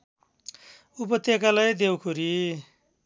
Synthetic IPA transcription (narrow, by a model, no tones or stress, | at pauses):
upʌt̪ekalajd̪ewkʰuɾi